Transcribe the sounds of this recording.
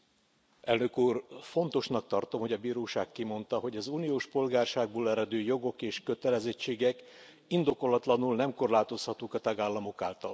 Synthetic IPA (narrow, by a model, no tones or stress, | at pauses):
ɛlnø̞kuːrfo̞nt̪o̞ʃnɒk̚t̪ɒrt̪o̞mho̞ɟɒbiːɾoːʃaːkːimo̞nt̪ɒɦo̞ɟɒzuːnijoːʃpo̞lɡaːrʃaːɡ̚boːlɛɾɛd̪øːjo̞ɡo̞keːʃkø̞t̪ɛlɛzɛt͡ʃːeːɡɛk | ind̪o̞ko̞lːɒt̪lɒnulnɛmko̞rlaːt̪o̞shɒt̪uːkɒt̪ɒɡaːlːɒmo̞kaːlt̪ɒ̰l